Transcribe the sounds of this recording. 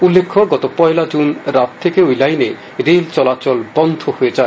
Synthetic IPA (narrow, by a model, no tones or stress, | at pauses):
ulːekʰːoɾɡɔt̪opɔelad͡ʑunɾat̪t̪ʰːekeojlajne | ɾelt͡ɕɔlat͡ɕɔlbɔnd̪ʱohoed͡ʑae